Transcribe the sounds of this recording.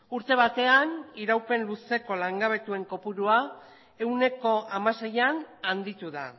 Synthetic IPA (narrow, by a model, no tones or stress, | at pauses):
uɾt̪e̞β̞at̪e̞aniɾawpe̞nluse̞ko̞laŋɡaβe̞t̪ue̞ŋko̞puɾua | e̞wne̞ko̞ʔamase̞janand̪it̪uða